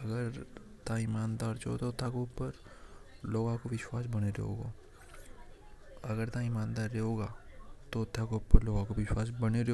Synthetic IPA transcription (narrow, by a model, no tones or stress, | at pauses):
ɐɡəɾt̪aɪmaːnd̪aːɾt͡ʃo̰t̪ot̪ʰːakeʊpəɾ | loːɡãkoʋɪʃwaːs̬bɐneɾḛɦo̰ːɡo̰ː | ɐɡəɾt̪aɪmaːnd̪aːɾːeɦoːɡaːt̪ot̪ʰːakeʊpəɾloːɡãkoʋɪʃwaːsbɐneɾe